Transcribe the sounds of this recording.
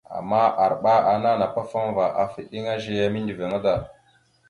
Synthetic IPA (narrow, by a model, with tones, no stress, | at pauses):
a̰˨mːa˦ʔa˨ɾɓa˦a˨na˦na˨pa˦fa˦m˦va˨ʔa˨fi˨ɗi˦ŋa˦ʒe˦ja˦mi˦ndi˨ve˨ŋa˦da˨